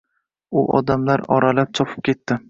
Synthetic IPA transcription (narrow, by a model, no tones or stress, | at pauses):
ʊʔɒ̰d̪amlaɾɒ̰ɾalap̚t͡ʃʰɒpʰɨ̥p̚kʲe̞t̪ːɪ